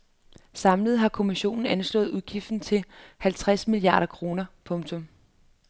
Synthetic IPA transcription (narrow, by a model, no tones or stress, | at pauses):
sɑ̈mləð̞̩ˠɦɑ̈kʰo̝miɕo̝̰ːnn̩ænslɔ̰̽ːð̩ˠuð̞ˠɡ̥ifd̥n̩t͡sʰe̝hælt͡sʰʁasmiliɑ̰̈ːɾ̥ɐkʰʁo̝ːnɐpʰɔ̽ŋt͡sʰɔ̽m